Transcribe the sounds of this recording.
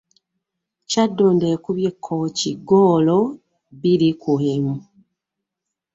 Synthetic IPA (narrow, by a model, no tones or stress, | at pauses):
cadːoːndeːkuβjekʰːociɡoːlo | βilikuemu